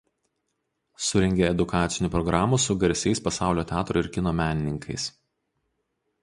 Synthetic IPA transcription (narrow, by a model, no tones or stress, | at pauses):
sʊɾʲɛŋʲɡʲeɛd̪ʊkɑːt̪sʲɪnʲuːˑpɾɔɡɾɑːmusʊɡɐɾʲsʲɛɪspɐsɑˑʊlʲoːt̪ʲæːt̪ɾoɪɾʲkʲɪnoːmʲæːnʲɪnʲɪŋkʰɐɪs